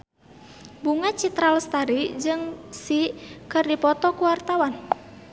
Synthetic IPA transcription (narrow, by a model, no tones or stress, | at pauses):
buŋat͡ʃit̪ɾalst̪aɾid͡ʒɨŋsikɨrdipɔt̪ɔkuwart̪awan